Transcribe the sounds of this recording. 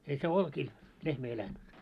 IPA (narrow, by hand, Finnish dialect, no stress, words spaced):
ei se olkiːl lehmæ elænt